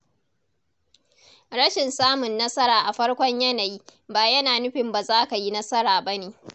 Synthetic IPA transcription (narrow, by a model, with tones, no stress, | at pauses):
ɽɐ˦ʃɪ˨nsaː˦mʊ˨nːɐ˦sɐ˦ɾaː˨ʔa˨ɸɐ˦ɽkʷɔ˦ɲjɐ˦na˨jiː˦baː˨jɐ˦naː˨nʊ˦ɸɪ˨mba˨zaː˦ka˨ji˦nɐ˦sɐ˦ɾaː˨bɐ˦neː˨